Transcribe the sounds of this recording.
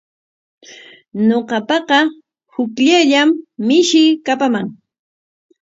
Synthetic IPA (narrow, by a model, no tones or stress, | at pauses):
noqɑpɑqɑ | hʊkʎaʎamːɪʃɪkapamaŋ